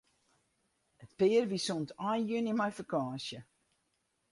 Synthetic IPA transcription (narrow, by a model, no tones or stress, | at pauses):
ətpɪːərʋisɔntʰajnjønimajfəkaːsjə